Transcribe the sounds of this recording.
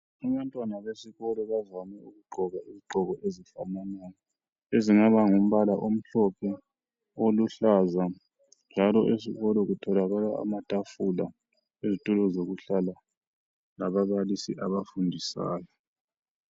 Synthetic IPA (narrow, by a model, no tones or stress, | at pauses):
aβantʼwanaβesiɣɔlɔβavamɛuɣuɡ͡ǃʱɔɣaiziɡ͡ǃʱɔɣɔʔezifamanajɔ | eziŋaβaŋum̩βalaʔom̩ɬɔpʰɛ | oluɬaza | nd͡ʒʱalɔʔesiɣɔlɔɣutʰɔlaɣalaa̰matʼafula | ezitʼulɔzoɣuɬala | laβaβalisiʔaβafundʱisa̰ːjɔ